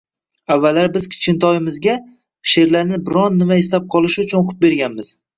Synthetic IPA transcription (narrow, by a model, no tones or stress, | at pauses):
avːalːaɾbɪz̥kʲʰɪ̥t͡ʃkʲɪnt̪ʰɒjɪmɪzɡʲa | ʃe̞ɾlaɾnɪbɪɾɒnːɪmaɪslap̚qʰɒlˠɪʃʊt͡ʃʰʊnoqʰʊp̪̚be̞ɾɡʲanmɪz̥